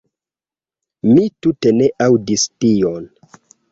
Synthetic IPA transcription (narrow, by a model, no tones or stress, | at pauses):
mitute̞ne̞ʔawdistion